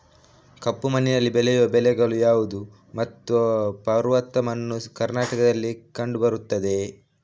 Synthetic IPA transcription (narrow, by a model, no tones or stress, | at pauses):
kɐpːumɐnːinɐlːibɛlɛjuʋɐbɛlɛɡɐɭujaːʋud̪u | mɐt̪ːuɐpɐɾʋɐt̪ːɐmɐnːukɐɾnaːʈɐkɐd̪ɐlːikɐɳɖubɐɾut̪ːɐd̪e̞